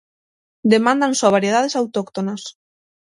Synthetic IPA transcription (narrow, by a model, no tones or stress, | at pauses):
d̪emãnd̪ansoaβaɾjeð̞aðesawt̪okt̪onas